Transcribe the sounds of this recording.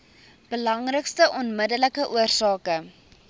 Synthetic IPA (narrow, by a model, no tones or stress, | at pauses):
b̥əlɐŋrəkstəʔɔnmədələkəʔuərsɑːkə